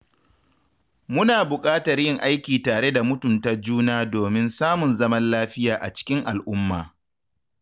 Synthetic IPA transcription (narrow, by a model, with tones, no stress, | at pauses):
mʊ˦naː˨bʊ˨kʼaː˦tɐ˨rjɪ˦˨ŋʔa˦jkʲiː˨taː˨ɽe˦da˨mʊ˦tʊ˨mta˦d͡ʒuː˦naː˦doː˨mɪ˦nsaː˦mʊ˨nzɐ˦mɐ˦nlaː˦ɸɪ˦jaː˨ʔa̰˨t͡ʃɪ̥˦kʲɪ˦ŋʔa˨lʔʊ˦mːaː˨